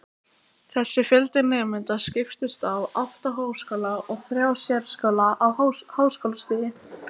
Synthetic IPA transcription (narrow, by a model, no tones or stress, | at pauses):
θɛsːɪfjɛlt̪ɪnɛːmɪnt̪ascɪft̪ɪst̪avaht̪aɦaːwskœlaʔɔɣθɾjaːwsjɛɾskœlaawhahaːwskawlst̪ɪːjɪ